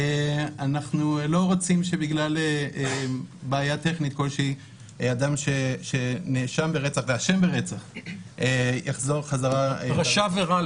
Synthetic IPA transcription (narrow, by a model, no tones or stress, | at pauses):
eanaχnulo̞ʁot͡simʃe̞biɡlaleebaːjat̪e̞χnit̪̚ko̞lʃei | ad̪amʃeʃe̞neʃambeʁe̞t͡saχveaʃe̞mbeʁet͡saχejaχzo̞ʁχazaʁaʁaʃaveʁa